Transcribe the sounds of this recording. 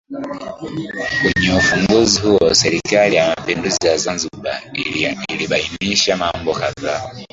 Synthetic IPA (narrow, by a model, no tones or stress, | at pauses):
kuɲofuŋɡozihowoseɾikalijamapeːnduzizazanzuba̰ | iɾiβaimiʃamaːmbokava